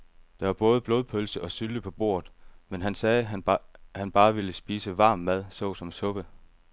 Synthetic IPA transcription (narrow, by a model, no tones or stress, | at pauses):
d̥ɑ̈ʋɑ̈b̥ɔ̽ːð̞ˠb̥lo̝ːð̞ˠpʰølsəʔɒ̽syləpʰɒ̽b̥o̝ːɐð̩ˠmenɦænsɛː | hænb̥ɑ̈ːʋiləsb̥iːsəʋɑ̈ːmːæð̞ˠsɔ̽ʊsɒ̽msɔ̽b̥ə